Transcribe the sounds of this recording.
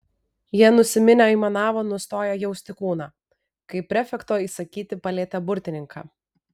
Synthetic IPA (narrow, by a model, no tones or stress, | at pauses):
jiɛnʊsʲɪmʲɪnʲoiːmɐnɑːʋoːnʊst̪oːjɛjɛʊsʲt̪ʲɪkuːnɑː | kɐɪpʲɾʲɛfʲɛkt̪oːiːsɐkʲiːt̪ʲɪpɐlʲeːt̪ʲɛbʊɾʲt̪ʲɪnʲɪŋkɑ̰ː